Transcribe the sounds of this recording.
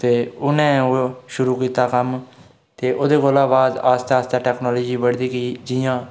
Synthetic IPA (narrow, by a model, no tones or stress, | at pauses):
t̪eːʊnɛ̃ːʃʊɾuːkiːt̪aːkəm | t̪eːʔʊd̪eːkoːlaːʋaːzaːst̪aːst̪aːʈɛːknoːloːd͡ʒiːʋəɽd̪iːkiːd͡ʒiːjãː